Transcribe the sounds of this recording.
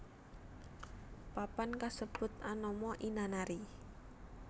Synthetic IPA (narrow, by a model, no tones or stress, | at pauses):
papankasəb̥ʊt̪̚anɔmɔʔinanaɾi